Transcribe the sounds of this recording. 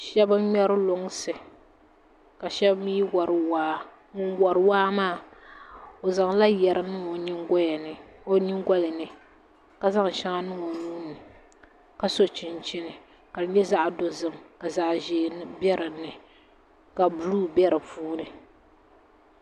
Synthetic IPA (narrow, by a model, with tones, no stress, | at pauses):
ʃɛ˦ba˦ɲɛ˦ɾɨ˦lo˨ŋ˦sɨ˨ | ka˨ʃɛ˦bmiː˦wɔ˨ɾɨ˨waː˦ | ŋu˦ŋwɔ˨ɾɨ˨˦waː˦maː˦˨ | o˨za˨ŋ˦la˦jɛ˨ɾɨ˨nɨ˦ŋo˨ɲi˦ŋɡɔ˦jɛ˨nɨ˨o˦ni˦ŋɡɔ˦lɨ˨nɨ˨ | ka˨za˦ŋ˨ʃa˦ŋa˦nɨ˦ŋo˨nu˦nɨ˨ | ka˨so˨t͡ʃi˨nt͡ʃi˦nɨ˨ | ka˨˦ɲɛ˦za˦ʔdo˦zɨ˨mka˨za˨ʔʒeː˨˦bɛ˦ɾɨ˨nɨ˨ | ka˨bu˨luː˦bɛ˦ɾɨ˨puː˦nɨ˨